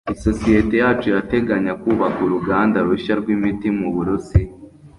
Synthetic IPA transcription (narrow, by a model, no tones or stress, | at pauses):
iso̞sije̞te̞jaːt͡ʃoiɾate̞ɡaɲakuːβakuɾuɡaːndaɾuʃaɾɡwimitimuβuɾusi